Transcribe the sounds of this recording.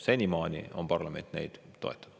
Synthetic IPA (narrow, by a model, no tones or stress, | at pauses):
senʲimɑːnʲḭo̞mpɑrlɑme̞nt̪ne̞̰jd̪̥ːo̞̰e̞t̪ːˑɑd̥̪